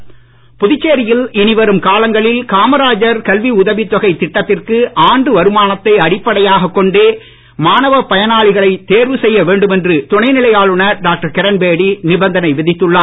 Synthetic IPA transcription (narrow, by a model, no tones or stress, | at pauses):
pʊðɪt͡ʃːeːɾɪjɪlɪnɪʋɐɾɯmkaːlɐŋɡɐɭɪlkaːmɐɾaːd͡ʒɐɾkɐlʋiʊðɐʋit̪ːɔɣɐɪt̪ːɪʈːɐt̪ːɪrkɯʔaːɳɖɯʋɐɾɯmaːnɐt̪ːɐɪɐɽɪpːɐɽɐjaːɣɐkːɔɳɖeː | maːnɐʋɐpɐjɐnaːɭɪɣɐɭɐɪt̪ːeːɾʋɯsɛjːɐʋeːɳɖɯmɛndrɯt̪ʊɳɐɪnɪlɐjaːɭɯɳɐɾɖaːk̚ʈɐɾkɛɾɐnbeːɽinɪbɐnd̪ɐnɐɪʋɪðɪt̪ːɯɭːaː